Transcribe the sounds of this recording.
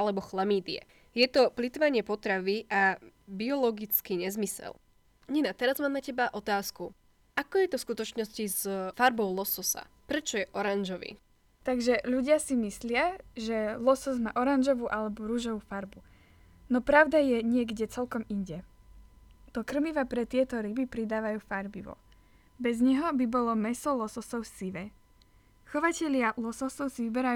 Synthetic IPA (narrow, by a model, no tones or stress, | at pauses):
alɛbɔxlamiːd̪ɪɛ̰ | jɛt̪ɔplit̪ʋaɲɪɛpɔt̪ɾaʋiʔabiɔlɔɡit͡skiɲɛzmisɛ̰l | ɲɛnat̪ɛɾazmaːmnacɛbaʔɔt̪aːsku | ʔakɔjɛt̪ɔfskut̪ɔt͡ʃnɔscizfaɾbɔʊlɔsɔsa̰ | pɾɛt͡ʃɔjɛʔɔɾanʒɔʋḭː | t̪aɡʒɛʎuɟɪasimislɪaʒɛlɔsɔzma̰ːʔɔɾanʒɔʋuːʔalɛbɔɾuːʒɔʋuːfaɾbu | nɔpɾaʊd̪ajɛɲɪɛɡɟɛt͡sɛlkɔmiɲɟɛ | d̪̥ɔkr̩miʋapɾɛt̪ɪɛt̪ɔɾibipɾid̪aːʋajuːfaɾbiʋɔ̰ | bɛzɲɛɦɔbibɔlɔmɛsɔlɔsɔsɔʊsiʋɛ | xɔʋacɛʎɪalɔsɔsɔʊsiʋibɛɾaj